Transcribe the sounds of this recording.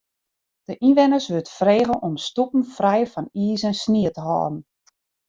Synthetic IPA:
d̥əʔinʋɪnəsʋøtfreːɣənʔɔmstupn̩frɛjfɑniːsɛnsniətəɦɔ̰ːdn̩

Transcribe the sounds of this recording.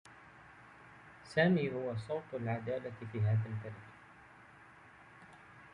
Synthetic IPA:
saːmiːhʊwasˤɑwt̪ˤʊlʕad̪aːlafiːɦaːðalt̪aɾɪk

